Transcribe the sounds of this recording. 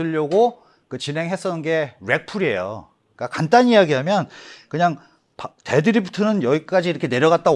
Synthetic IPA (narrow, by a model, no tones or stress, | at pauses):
ɯʎːʌɡo | kɯt͡ɕinɦe̞ŋɦe̞s͈ʌnɯnɡe̞ɾe̞k̚pʰuɾie̞̰jo̰ | k͈akant͈aɲijaɡiɦamjʌnkɯɲaŋ | pte̞dɯɾiptʰɯnɯnjʌɡik͈ad͡ʑiːɾʌkʰene̞ɾjʌɣat̚t͈a